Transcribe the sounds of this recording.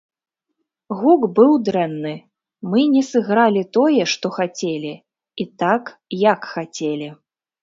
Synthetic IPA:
ɣukbɨwd̪ɾɛnːɨ | mɨnʲɛsɨɣɾalʲit̪ɔjɛʂt̪ɔxat͡sʲelʲi | it̪akjakxat͡sʲelʲi

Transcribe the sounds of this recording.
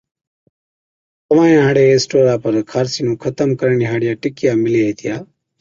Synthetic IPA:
t̪əʋãːjãːɦãːɽeːeːsʈoːɾaːpəɾkʰaːɾsiːnũːkʰət̪əmkəɾəɳiːɦaːɽɪjaːʈɪkɪjaːmɪljaːɦeːt̪ʰɪjaː

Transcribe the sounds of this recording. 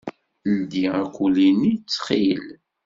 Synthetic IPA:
nd̪iækʷulinit͡sːχil

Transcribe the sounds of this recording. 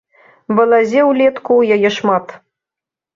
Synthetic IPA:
bɤ̆lˠɑzʲewlʲet̪kujajeʃmɑt̪

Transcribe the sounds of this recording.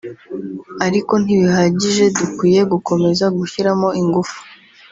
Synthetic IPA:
aɾiko̞n̥iβihaɟiʒe̞dukwiːje̞ɡuko̞me̞zaɡuçiɾamo̞iŋɡufu̥

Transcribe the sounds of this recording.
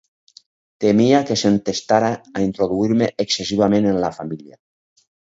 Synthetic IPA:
t̪emiakesent̪est̪aɾaːint̪ɾoðuiɾmeʔeksesiβ̞amenenlafamilja

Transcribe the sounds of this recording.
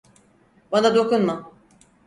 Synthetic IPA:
banad̪o̞kʰunma

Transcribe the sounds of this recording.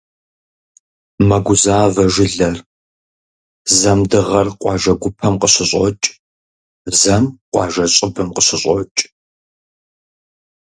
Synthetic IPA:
mɐɡʷʊzaːvɐʒɪɮɐr | zɐmdɨʁɐrqʷʼɑːʒɐɡʷʊpʰɐmqəɕɪɕʼɔt͡ʃʼ | zɐmqʷʼɑːʒɐɕʼɪbɨmqəɕɪɕʼɔt͡ʃʼ

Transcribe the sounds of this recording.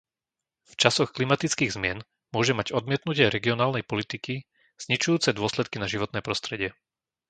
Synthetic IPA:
ft͡ʃasɔxklimat̪it͡skiːɣzmɪɛn | mʊɔʒɛmaɟɔd̪̚mɪɛt̪nucɪɛɾɛɡiɔnaːlnɛjpɔlit̪iki | z̥ɲit͡ʃujuːt͡sɛd̪ʊɔslɛt̪̚kinaʒiʋɔt̪nɛːpɾɔst̪ɾɛɟɪɛ

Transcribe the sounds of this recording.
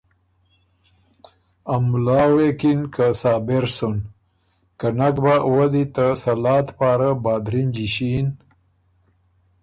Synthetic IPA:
amlɑːwekinkasɑːbeɾsun | kanakbawad̪it̪əsɐlɑːt̪paːɾabɑːd̪ɾind͡ʒiɕin

